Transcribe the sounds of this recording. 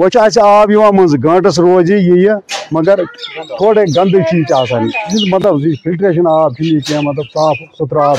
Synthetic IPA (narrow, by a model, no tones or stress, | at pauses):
ʋɐt͡ʃʰaːsaːbjiʋãːmɐ̃nzɡɐ̃ːʈɐs̬ɾoːd͡ʒijijɐmɐɡɐɾt̪ʰoːɽeːɡɐ̃nd̪t͡ʃʰiːt͡ʃaːsaniimɐt̪̬lɐbzipʰɪlʈɾeːʃ̬ɐnaːb̚t͡ʃʰiniːkẽmɐt̪ləb̚kaːpʰʊt̪ɾaːt